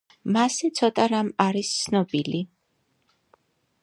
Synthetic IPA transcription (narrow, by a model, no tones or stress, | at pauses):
masɛt̪sʰɔt̪ʼaɾamaɾist̪sʰnɔbili